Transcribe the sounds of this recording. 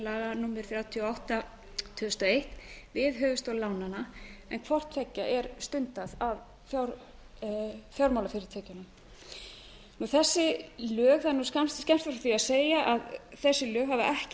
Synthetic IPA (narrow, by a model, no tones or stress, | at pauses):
laðanuːmːɪɾ̥θɾjaːwt̪ʰiɔawht̪a | t̪ʰʏðʏst̪ɔejht̪vɪðɦœːvʏst̪owlawnanaɛnkʰvɔr̥t̪fɛcːaʔɛɾst̪ʏnt̪aðav | fjaɾ | fjawɾmawlafɪɾɪɾ̥t̪ʰɛːcʏnʏm | nuθɛsːɪlœːɣθaɾnuːskamst̪scɛmst̪afɾaθiaðseːjaʔaðθɛsːɪlœːɣɦavaʔɛhc